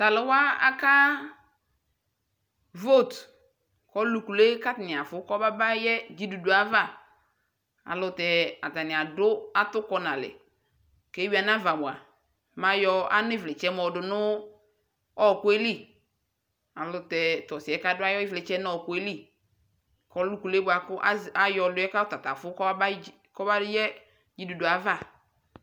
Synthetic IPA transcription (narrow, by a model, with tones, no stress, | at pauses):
ta˨lɪ˦wa˦a̰˦ka˦ | vo˦˨t | kɔ˦lu˨ku˨le˦ka˦tɪ˨nɪ˨a˨fʊ˨˦kɔ˦ba˦ba˦jɛ˦d͡ʒi˦du˨du˨a˨va˦˨ | a̰˨lʊ˨tɛ˨a˨ta˨nɪ˨a˨dʊ˦a˦tʊ˦kɔ˦na˨lɪ̰˨ | ke˦wi˦a˨n˦a˦va˨mʊ˨a˨ | ma˨jɔ˦a˦nɪ˦vlɪ˨t͡ʃɛ˦mɔ˨dʊ˨nʊ˦ | ɔ˦˨kʊ˦e˦li˦˨ | a˨lʊ˨tɛ˨tɔ˨sɪ˨ɛ˨˦ka˦dʊ˦a˦jɔ˦ɪ˦vlɪ˨t͡ʃɛ˦n˦ɔ˦˨kʊ˦e˦li˦ | kɔ˦lʊ˦ku˨le˦bʊ˦a˨kʊ˦ʔa˦a˨jɔ˨lʊ˦ɛ˦ka˦ʊ˦ta˨ta˨fʊ˦kɔ˦b | kɔ˦ba˦ʊ˦jɛ˦ | d͡ʒi˦du˨dʊ˨a˨va˦˨